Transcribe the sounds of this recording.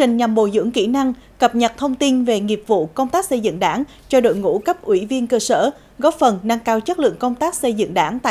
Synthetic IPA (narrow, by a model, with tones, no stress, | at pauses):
t͡ɕï˨˩ŋ̟ɲa˨˩mɓo̰˧˨zɨ̰˧˥əŋkḭ˧˩˥na˧ŋkə˨˩p̚ɲə˨˩t̚t̪ʰə˧wŋ͡mt̪i˧nve˨˩ŋi˨˩əp̚vṵ˧˨kə˧wŋ͡mt̪aː˦˥k̚sə˧jzɨ̰˧˨ŋɗaː˧˦ŋ | t͡ɕɔ˧ɗo̰˧˨jŋṵ˧˥kə˦˥p̚ʔwi˧˦vi˧ənkəː˧səː˧˩ | ɣɔ˦˥p̚fə˨˩nna˧ŋkaː˧wt͡ɕə˦˥t̚lɨ̰˧˨əŋkə˧wŋ͡mt̪aː˦˥k̚sə˧jzɨ̰˧˨ŋɗaː˨˦ŋt̪a̰ː˧˨